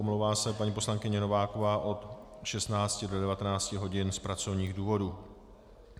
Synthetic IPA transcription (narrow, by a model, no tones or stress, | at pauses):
omlowvaːsɛpaɲiːpo̞slaŋkɪɲɛno̞vaːko̞vaːʔo̞t̪ | ʃɛst̪naːt͡scɪdodɛvat̪ɛnaːt͡scɪɦo̞ɟɪnspɾat͡so̞vɲiːɣduːvo̞duː